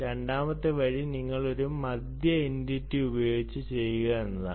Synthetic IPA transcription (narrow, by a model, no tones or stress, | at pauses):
ɾe̞ɳɖaːmɐt̪ːɨʋɐɻiniŋːɐɭo̞ɾumːɐd̪jɐinditːiubɐjo̞ːɡit͡ɕːɨt͡ɕe̞jːuɣɐenːɐða̰